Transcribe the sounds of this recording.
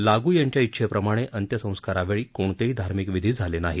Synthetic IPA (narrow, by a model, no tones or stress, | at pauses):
laɡuːjaɲt͡ɕjaitːɕʰepɾəmaɽ̃eʔənt̪jəsə̃w̃skaɾaʋeɭiːkoɳt̪eɦiːd̪ʱaɾmikʋid̪ʱiːd͡zʱalenaɦi